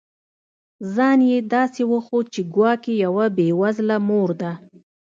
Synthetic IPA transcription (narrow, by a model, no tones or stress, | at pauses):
zɑnjed̪ɑsewəxot͡ʃeɡwɑkejawabewazlamoɾd̪a